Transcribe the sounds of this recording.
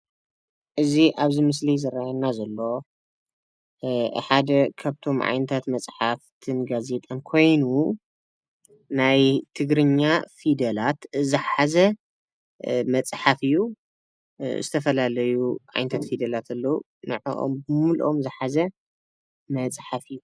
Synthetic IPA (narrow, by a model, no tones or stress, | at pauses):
ʔɨziʔaβzimɨs̬lizɐɾajanːazɐlːo̞ | ħad̪ɐkʰaβt̪ʰo̞mʕa̰jnɐt̪ʰat̪mɐt͡sʼħaft̪ʰɨnɡaze̞t̪ʼankʰo̞jnu | najt̪ʰɨɡɾɨɲːafid̪ɐlat̪zɨħazɐ | mɐt͡sʼħafɨju | zɨt̪ʰɐfɐlalɐjuʕa̰jnɐt̪ʰat̪fid̪ɐlat̪ʰɐlːɐu | nɨʕo̰ʔo̰mbɨmulʔo̞̰mzɨħazɐ | mɐt͡sʼħafɨjːu